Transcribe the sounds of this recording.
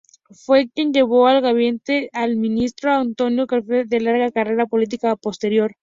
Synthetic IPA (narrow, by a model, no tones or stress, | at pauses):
fwe̞kje̞nd͡ʒe̞βo̞alɣaβje̞nt̪e̞almĩnist̪ɾoant̪o̞njo̞kaɾfeðe̞laɾɣakare̞ɾapolit̪̬ikapo̞st̪e̞ɾjo̞ɾ